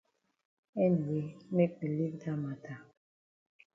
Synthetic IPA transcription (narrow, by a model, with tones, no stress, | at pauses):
ɛ˦n˨e˨˦me˦k͡pe˨li˦kta˦ma˨tʰa˨